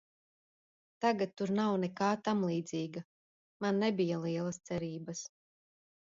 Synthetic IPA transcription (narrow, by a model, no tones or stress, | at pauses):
t̪aɡat̪ːuɾnawnɛkaːt̪amlˠiːd̪ziːɡa | manːɛbijalˠiɛlˠɐst̪sɛɾiːbɐs